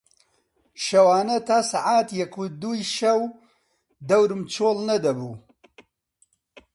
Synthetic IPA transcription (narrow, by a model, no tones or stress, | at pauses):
ʃɐwaːnɐt̪ʰaːsaʕaːt̪jɐkud̪uːjʃɐw | d̪ɐwɾɨmt͡ʃʰoːlnɐd̪ɐbuː